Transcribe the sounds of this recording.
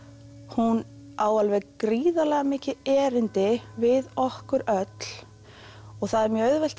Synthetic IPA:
hun | aːwalvɛɣkɾiːðalɛɣamɪːcɪɛːɾɪnt̪ɪvɪðɔhkʏɾœt̪l̥ | ɔɣθaðɛɾmjœœðvɛl̥t̪

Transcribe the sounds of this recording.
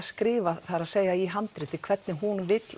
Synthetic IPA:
skɾɪːvaθaɾaðseːjɣaiɦant̪ɾɪt̪ɪkʰv̥ɛt̪nɪɦunvɪt̪l

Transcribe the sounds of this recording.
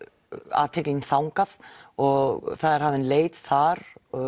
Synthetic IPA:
a̰ːt̪ʰɛklinθawŋkaθɔɣθaðɛɾ̥haːvɪnleːjt̪θaɾɔ

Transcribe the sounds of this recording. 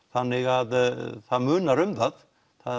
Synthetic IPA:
θanːɪɣaðθaðmʏːnaɾʏmθað | θa

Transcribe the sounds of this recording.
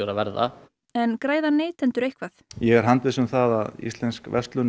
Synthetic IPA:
ɾavɛɾða̰ | ɛnkɾaːjðaneːjt̪ʰɛnt̪ʏɾejhkvaθjɛɣɛɾɦant̪vɪsʏmθaða̰ðḭst̪lɛnskvɛst̪lʏn

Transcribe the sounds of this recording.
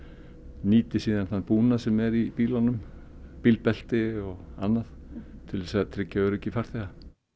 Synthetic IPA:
niːt̪ɪsiːðanθanːpuːnasɛmɛɾipiːlanʏm | pilpɛl̥t̪ɪɔɣa̰nːað | t̪ʰɪlɛsaðat̪ʰɾɪcːaʏɾɛcːɪfaɾ̥θɛɣa

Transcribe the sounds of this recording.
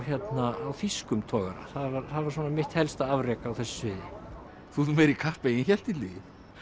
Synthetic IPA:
çjɛt̪naawfiskʏmt̪ʰɔːɣa̰ɾa̰θaðvaɾθaðvaɾ̥s̬ɔːnamɪht̪hɛlst̪aavrɛːkaːwθɛsːʏ̥svɪðɪ | θuθmɛɾikʰahpejɪnçɛl̥t̪ɪlijɪ

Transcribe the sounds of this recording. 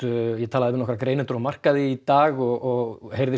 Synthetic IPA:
jɛt̪ʰaːðɪvɪnɔhkɾakɾeːjnɪnt̪ʏɾamar̥kaðɪit̪aːɣɔɣɔɣhejɾðɪ

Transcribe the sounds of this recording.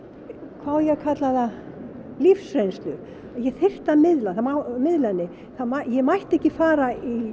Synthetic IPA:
kʰvaːwjɛɣkʰat̪laða | lifsɾejnst̪lʏ | jɛθɪr̥t̪amɪðlaθamawmɪðlanːɪ | θamajɛmajht̪ɛhcɪfaːɾai

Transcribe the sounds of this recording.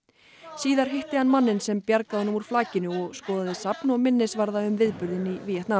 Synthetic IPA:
siːðaɾ̥ɦɪht̪ɪhanmanːɪnsɛmpjaɾkaðɔnːʏmuɾ̥flaːcɪnʏɔɣskɔːðaðɪsapnɔɣmɪnːɪsvaɾðaʏmvɪðpʏɾðɪniviːjɛht̪na

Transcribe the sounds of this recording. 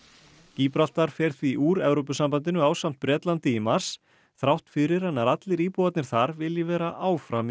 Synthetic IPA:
ciːpɾal̥t̪aɾ̥fɛɾθviʔuːɾɛvɾopʏsampant̪ɪnʏaːwsam̥t̪̚pɾɛːt̪lant̪iːmaɾ̥s | θɾawht̪fɪɾɪɾ̥hanːaɾat̪lɪɾiːpuat̪nɪɾ̥θaɾvɪljɛvɛːɾaʔaːwfɾam

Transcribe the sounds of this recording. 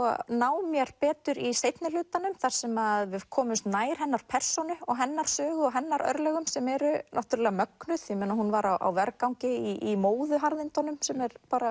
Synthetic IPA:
ɔnaːwmjɛɾ̥pɛːt̪ʏɾisejt̪nɪlʏːt̪anʏmθar̥sɛmaðvɪð̥kʰɔːmʏst̪naːjɾ̥ɦɛnːaɾ̥pʰɛr̥sonʏɔɣɦɛnːaɾ̥sœːɣʏɔɦɛnːaɾʔœ̰ɾlɛɣʏmsɛmɛɾʏnaht̪uɾalɛɣamœknʏθjɪmeːnahunvaɾawʔa̰wvɛɾkawŋcɪiimoːwðʏɦaɾðɪnt̪ɔnʏmsɛmɛɾpaːɾa

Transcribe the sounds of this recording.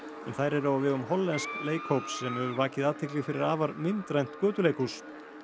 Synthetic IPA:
ɛ̰nθajɾɛɾavɪðʏmɦɔlːɛnskleːjkhowpsːɛmɛvʏɾvaːcɪðaːðt̪ʰɪklɪɣfɪɾɪɾaːvaɾmɪnt̪ɾajn̥t̪kœːt̪ʏleːjkus

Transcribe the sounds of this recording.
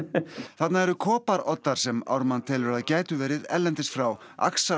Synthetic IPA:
θat̪naɛɾʏkʰɔːpaɾɔt̪ːaɾ̥sɛma̰wɾmant̪ʰɪlvɛɾaðcaːjt̪ʏvɛːɾɪðɛ̰lːɛnt̪ɪsfɾaw | a̰ksa

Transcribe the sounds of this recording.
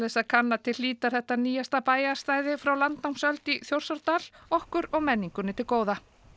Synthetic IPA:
ɛsaðkʰanːat̪ʰɪlːiːt̪aɾ̥θɛht̪ːaniːjast̪apaːjast̪aːjðɪfɾawlant̪nawŋsœlt̪iθjowɾ̥saɾt̪alɔhkʏɾɔɣmɛnːiŋkʏnɪt̪ʰɪlkoːwða

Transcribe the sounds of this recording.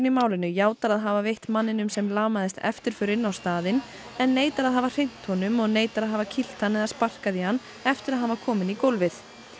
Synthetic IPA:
nɪmaːwlɪnʏjaːwt̪aɾaðɦaːvavejht̪manːɪnʏmsɛmlaːmaðɪst̪ɛ̰ft̪ɪɾ̥fʏɾɪnːawst̪aːðɪn | ɛnːeːjt̪aɾaðɦaːvar̥ejn̥t̪hɔnʏmɔɣneːjt̪aɾaðɦaːvacʰil̥t̪hanːɛðaɾspar̥kaðihanː | ɛft̪ɪɾaðhanvakʰɔːmɪnikowlvɪθ

